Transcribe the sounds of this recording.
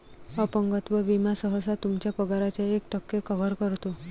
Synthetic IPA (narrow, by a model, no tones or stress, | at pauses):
əpəŋɡət̪ʋəʋimasəɦəsat̪umt͡ɕapəɡaɾat͡ɕaekʈəkːekəʋəɾkəɾt̪o